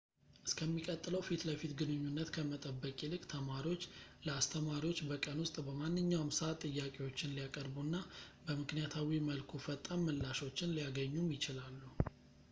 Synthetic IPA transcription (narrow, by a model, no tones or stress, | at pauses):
ʔɨskʰəmːikʼət̪ʼːɨləwfit̪ləfit̪ɡɨnɨɲːunːət̪kʰəmət̪ʼəbːəkʼilɨkʼt̪ʰəmaɾiwot͡ʃːləast̪ʰəmaɾiwot͡ʃːbəkʼənwʊst̪ʼbəmanːɨɲːawmsəat̪ʼːɨjːakʼewo̞t͡ʃːɪnlijakʼəɾbunːabəmɨknijat̪ʰawiməlkʰufət̪ʼːamːəlːaʃo̞t͡ʃːɪnlijaɡəɲːumjɪt͡ʃɪlalːu